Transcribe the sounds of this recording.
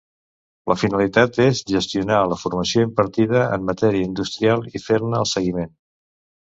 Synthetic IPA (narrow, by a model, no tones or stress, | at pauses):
ləfinəlit̪at̪ezʒəst̪iunaləfuɾməsioimpəɾt̪ið̞əə̰mːət̪ɛɾiəind̪ust̪ɾialˠifeɾnəːlˠsəɣimen